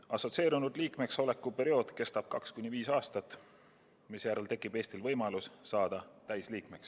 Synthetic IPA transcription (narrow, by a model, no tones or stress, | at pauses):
ɑso̞t̪se̞ːɾunud̪liːkme̞kso̞le̞kːˑupe̞ɾio̞ːd̪̥ke̞st̪ɑb̥̚kɑkskunʲiviːsɑːst̪ɑt̪ːˑ | misjæɾelt̪e̞kːˑib̥e̞ːst̪ilvɤjmɑlusːɑːd̪̥ɑt̪æjsliːkme̞ks